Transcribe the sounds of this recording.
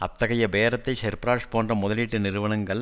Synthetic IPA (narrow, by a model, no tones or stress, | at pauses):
ɐt̪ːɐɣɐjɐbeːɾɐt̪ːɐɪʃɛɾpɾaːʂpoːndrɐmʊðɐliːʈːɯnɪɾɯʋɐɳɐŋɡɐɭ